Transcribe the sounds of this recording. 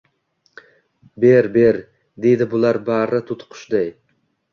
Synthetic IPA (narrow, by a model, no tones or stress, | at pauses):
beɾbe̞ɾ | d̪e̞jd̪ɪbʊlˠaɾbaɾɪt̪ʰʊt̪qʰʊ̥ʃd̪aj